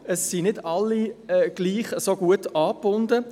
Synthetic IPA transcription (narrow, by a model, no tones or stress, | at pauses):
əsːinɪdɑlːiɛɡ̥liːχəsoɡuətɑːpbʊndə